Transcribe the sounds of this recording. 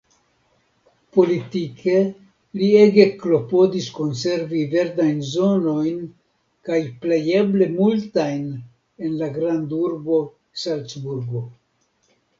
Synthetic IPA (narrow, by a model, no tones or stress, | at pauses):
po̞litikʰe̞ | lieɡeklo̞po̞disko̞nse̞ɾvive̞ɾdajnzo̞no̞jn | kajpleje̞ble̞multajn | e̞nlaɡɾanduɾbo̞ | salt͡sbuɾɡo̞